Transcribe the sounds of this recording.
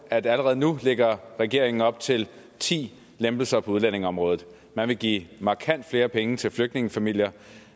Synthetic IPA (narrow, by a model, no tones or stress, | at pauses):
æd̥æləʁɛð̞̩ˠnuleɡ̥ɐʁɛɡ̥e̝ɐ̰e̝ŋn̩ɒ̽b̥̚t͡sʰe̝l | t͡sʰḭː | lemb̥l̩sɐpʰɒ̽uðˠlæn̰e̝ŋɒ̽mʁɔ̽ːð̩ˠ | mænʋe̝ɡ̥ḭːmɑ̈kʰæn̰d̥fle̝ːɐpʰeŋət͡sʰe̝lfløɡ̥̚d̥ne̝ŋəfæmil̰jɐ